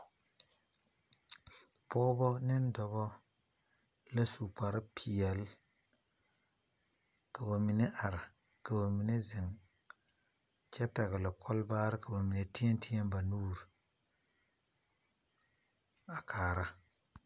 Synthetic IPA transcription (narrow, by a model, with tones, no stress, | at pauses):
pɔː˦bɔ˦nɪ˦ndɔ˨bɔ˦ | la˦su˨k͡pa˨ɾɪ˦pʰi˨ɛ˨l | ka˨ba˨mi˨ne˦ʔa˨ɾɪ˨ | ka˨ba˨mi˨ne˦zɪ˨ŋ | t͡ʃɛ˦pɛ˨ɣlɪ˨kʰɔ˦lbaː˦ɾɪ˦ka˨ba˨mi˨ne˨ti˦ɛ˦ntʰi˦ɛ˦mba˨nuː˦ɾ | a˨kʰaː˨ɾa˦